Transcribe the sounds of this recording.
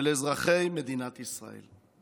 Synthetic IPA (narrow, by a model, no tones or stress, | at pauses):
lezʁaχe̞jmed̪inat̪isʁa̰ḛl